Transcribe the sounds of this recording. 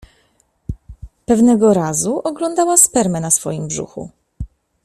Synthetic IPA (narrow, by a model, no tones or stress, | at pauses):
pɛvnɛɡɔɾazuʔɔɡlɔnd̪awaspɛɾmɛnasfɔ̰jimbʐṵxṵ